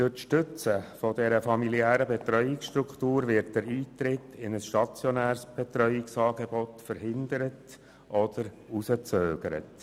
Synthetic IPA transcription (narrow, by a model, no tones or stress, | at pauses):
d̥øtʃtʏt͡səfɔdɛɾəfɑmiliæːɾəbɛt̪ɾœʏɪksʃtɾukʰtuːɾvɪt̚d̥ɛɾiːt̪ɾɪtʰɪnəsʃtɑt͡sjɔnæːɾsb̥ɛt̪ɾœʏɪksɑːɡebɔtfəɾhɪnd̪əɾət | ʔɔd̥̪əɾ | usət͡søːɡ̥əɾə̰t